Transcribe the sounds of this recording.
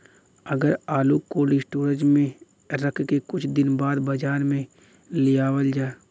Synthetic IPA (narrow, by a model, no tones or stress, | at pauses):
ɐɡəɾaːluːkoːlisʈuːɾə̃t͡ʃmẽ | ɾəkʰkekʊt͡ʃʰd̪ɪnbaːd̪bɐd͡ʒaːnmẽ | lɪjaːwəld͡ʒaːe